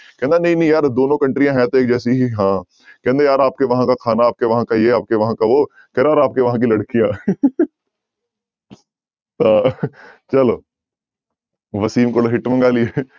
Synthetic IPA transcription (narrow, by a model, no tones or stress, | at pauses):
kɛɦɛ̃nd̪anɐɦĩnɐɦĩjaːɾd̪oːnõkɐ̃ɳʈɾijãɦɛ̃t̪oeːk̚d͡ʒɛːsiɦiɦãː | kɛɦɛ̃nd̪ajaːɾaːp̚keʋɐɦãkakʰaːnaːp̚keʋɐɦãkajeaːp̚keʋɐɦãkaʋo | kɛɾaːɾaːp̚keʋɐɦãk̬ilɐɽkijãː | ãːt͡ʃɐloː | ʋɐsiːmkoɽoɦɪʈmɐ̃ŋɡaːlie